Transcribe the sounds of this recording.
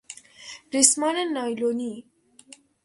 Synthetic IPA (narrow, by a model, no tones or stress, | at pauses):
ɾismananːajloni